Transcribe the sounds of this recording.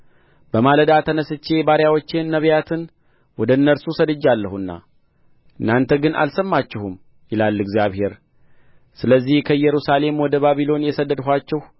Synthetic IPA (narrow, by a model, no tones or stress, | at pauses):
b̥əmaləd̪at̪ʰənəsɨt͡ʃːe̞baɾjawot͡ʃːenːəβjat̪ʰɨn | wɔd̪əɨnːəɾsusəd̪ɨd͡ʒːalːəhuɨnːa̰ | ɨnːant̪ʰəɡɨnʔa̰lsəmːat͡ʃːɛhum | jɪlalːɨɡzijaβhe̞ɾ | sɨləzːihkʰəjɛɾusale̞mwɔd̪əβaβilo̞njɛsəd̪ːəd̪ɦʷat͡ʃːɛh